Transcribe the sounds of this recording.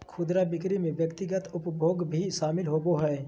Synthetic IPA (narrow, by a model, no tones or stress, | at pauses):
kʰʊd̪ɾaːbɪkɾimẽʋjəkt̪ɪɡət̪ʊpbʱoːɡbʱiʃaːmɪlɦoːboɦɛː